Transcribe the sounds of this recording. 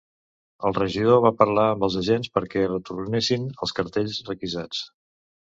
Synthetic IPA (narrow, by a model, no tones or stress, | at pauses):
əlˠrəʒiðoβapəɾlaəmbəlˠzəʒenspəɾkɛrət̪urnesinəlˠskəɾt̪eʎzrəkizat͡s